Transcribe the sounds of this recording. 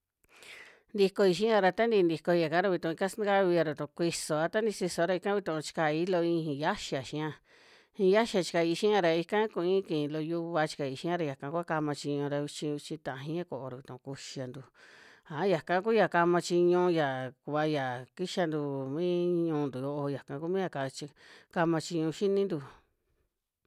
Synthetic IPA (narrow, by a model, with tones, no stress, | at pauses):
nd̪i˧ko˧i˧ʃ̬ĩ˦a˧ɾa˧t̪a˦nd̪i˧nd̪i˧ko˧ja˨ka˦ɾa˧βi˧t̪ũ˧˨˧i˧ka˦sn˦ka˦βi˧ja˧ɾu˨t̪ũ˧kʷi˧so˨a˧t̪a˦nĩ˧si˧so˧ɾa˧i˧kã˦βi˧t̪ũ˧˨˧t͡ʃi̥˧ka˧˨i˦lo˧ĩ˧hĩ˧ja˦ʃa˨ʃĩ˧˦ã˦˧ | hĩ˧ja˦ʃa˧t͡ʃi̥˧ka˧i˧ʃĩ˦ã˧ɾa˧i˧kã˦kũ˧ĩ˦kĩ˨˧lo˧ju˧βa˧t͡ʃi̥˧ka˧˨i˧ʃĩ˦ã˦˧ɾa˧ja˨kã˧˦kʷu˦a˦ka˧mã˧t͡ʃi˧ɲũ˧ɾa˧u˧t͡ʃĩ˧u˧t͡ʃĩ˧t̪ã˨ã˧ɦĩ˧˦ã˦ko˨o˧ɾa˨βi˨t̪ṵ̃˨˧ku˧ʃi˧a˧nd̪u˧ | a˨˦ja˨kã˦ku˦ja˨ka˧mã˧t͡ʃi˧ɲũ˧ja˨ku˧βa˧ja˨ki˦ʃa˧nd̪u˧mĩ˦ɲũː˧nd̪u˨jo˧˦ʔo˧ja˨kã˧ku˦mĩ˦ja˧ka˧˨˧t͡ʃi˧ka˧mã˧t͡ʃi˧ɲũ˧ʃi˦nĩ˦nd̪u˧